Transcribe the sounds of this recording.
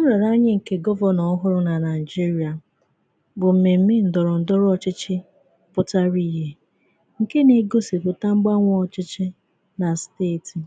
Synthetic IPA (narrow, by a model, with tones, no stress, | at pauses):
ʊ˦ɾa˨ɾa˦ɲɪ˦ŋ̩˨ke˦ɡɔ˦vɔ˦nɔ˨ɔ˦ɦʊ˦ɾʊ˦na˨na˨ɪ˨d͡ʒi˦ɾi˨a˨ | bʊ˨m̩˨me˨m̩˦mɪ˦n̩˨dɔ˨ɾʊ˨n̩˨dɔ˦ɾɔ˨t͡ʃɪ˦t͡ʃɪ˦ | pʊ˦ta˦ɾi˦˨ɦe˦ | ŋ̩˨ke˦ne˨ɡo˦si˨pʊ˨ta˦ŋ͡m̩˦ɡ͡ba˦ŋʷɔ˦ɔ˨t͡ʃɪ˦t͡ʃɪ˦ | na˨steː˦˨ti˨